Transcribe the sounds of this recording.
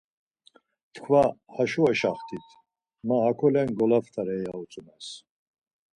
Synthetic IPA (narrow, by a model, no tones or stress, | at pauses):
t̪ʰkʰvahaʃuɛʃaχt̪ʰit̪ʰ | maɦakʰɔlɛnɡɔlaft̪ʰaɾɛjaut͡sʼumas